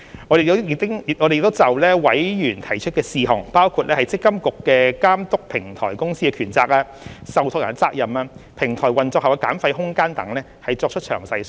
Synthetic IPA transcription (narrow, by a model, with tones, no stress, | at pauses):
ŋɔː˨˧de˨jɪ˥ŋ˨ʔɔː˨˧de˨jk̚t̪o˥wt͡sɐ˨wlɛː˥wɐ˨˥jjyː˨˩nt̪ʰɐ˨˩jt͡ʃʰɵ˥t̚kɛː˧siː˨ɦʊ˨˩ŋpaː˥wkʰu˧t̚lɛː˥hɐ˨jt͡sɪ˥kːɐ˥mkʊ˨kːɛː˧kaː˥mt̪ʊ˥k̚pʰɪ˨˩ŋt̪ʰɔ̰ː˨˩jkʊ˥ŋsiː˥ɛː˧kʰyː˨˩nt͡saː˧k̚aː˧ | sɐ˨wt̪ʰʊ˧jɐ̰˨˩nt͡saː˧k̚jɐ˨maː˧pʰɪ˨˩ŋt̪ʰɔː˨˩jwɐ˨nt͡sɔː˧khɐ˨wka˧kaː˨˥mfɐ˧jɦʊ˥ŋkaː˥nt̪ɐ˨˧˥ŋlɛː˥hɐ˨jt͡sɔː˧k̚t͡ʃʰt̚t͡ʃʰœː˨˩ŋsɐ˧js